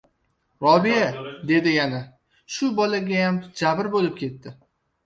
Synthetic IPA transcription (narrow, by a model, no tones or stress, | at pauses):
ɾɒbijad̪e̞d̪ɪjana | ʃʊbɒlaɡʲajamd͡ʒabɪɾbolɪp̚kʲʰe̞t̪ːɪ